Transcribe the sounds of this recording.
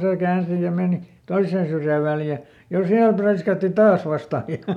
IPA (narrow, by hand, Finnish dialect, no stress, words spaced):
seˑ kæːnsi jɑ meˑni toisːeːn syrjæˑ ʋæljæ jɑ siæl præiskæːtːi tɑːs ʋɑstɑˑ jɑ